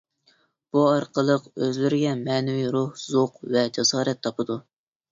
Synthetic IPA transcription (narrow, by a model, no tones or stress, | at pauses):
b̥uɑɾqʰəlˠəqøzlɪɾɪɡʲɛmɛnɪwijɾuhzoqvɛd͡ʒɑsɑːɾɛt̪ʰːɑpʰɨd̪u